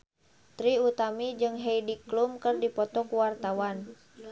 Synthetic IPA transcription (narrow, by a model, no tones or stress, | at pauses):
t̪ɾiut̪amid͡ʒɨŋɦɛidiklumkɨrdipɔt̪ɔkuwart̪awan